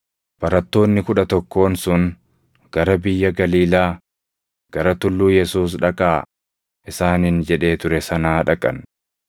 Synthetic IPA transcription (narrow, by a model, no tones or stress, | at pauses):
b̥ɐɾɐt̪ːo̞ːnːɪkʊᶑɐt̪ɔkːo̞ːnsʊn | ɡ̥ɐɾɐbɪjːɐɡɐliːlaː | ɡ̥ɐɾɐt̪ʊlːuːjɛsuːs̬ᶑɐkʼaː | ʔɪsaːnɪnd͡ʒɛᶑe̞ːt̪ʊɾɛsɐnaːᶑɐkʼːɐ̰n